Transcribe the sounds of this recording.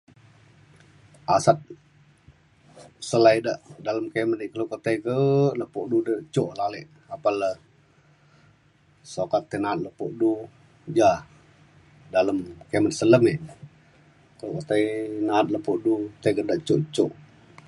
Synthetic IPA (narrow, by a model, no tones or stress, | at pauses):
ʔasat̪̚ | səlaidəʔdaləmkeməniʔkəlokət̪ejkələpoʔdudət͡ʃoʔlaleʔ | apalə | sokat̪ːenaːt̪̚ləpoʔdu | d͡ʒa | daləmkemət̪̚sələmiʔ | kəlokət̪ejnat̪̚ləpoʔdut̪eɡədaʔt͡ʃoʔt͡ʃoʔ